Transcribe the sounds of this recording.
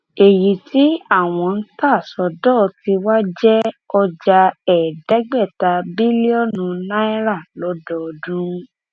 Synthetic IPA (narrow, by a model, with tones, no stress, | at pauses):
e˨ji˨ti˨˦a˦˨w̃ɔ̃˧n̩˦ta˦˨sɔ˧dɔ˦˨˧ti˧wa˦d͡ʒɛ˦ɔ˧d͡ʒa˧ɛ˨dɛ˨˦ɡ͡bɛ˦˨ta˧bi˦li˦ɔ˦˨nũ˧nã˦i˦ɾa˦˨lɔ˨˦dɔ˦˧dũ˦